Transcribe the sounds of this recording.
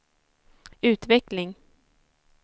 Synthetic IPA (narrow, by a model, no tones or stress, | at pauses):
ʉ̟ːt̪vɛklɪŋ